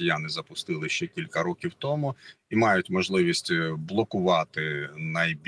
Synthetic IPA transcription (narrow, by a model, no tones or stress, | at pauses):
ijanɪzɐpʊst̪ɪlˠɪʃt͡ʃɛkʲilʲkɐɾɔkʲiwt̪ɔmʊimɑjʊtʲmɔʒlˠɪʋʲisʲtʲblˠɔkʊʋɑt̪ɪnɐjbʲ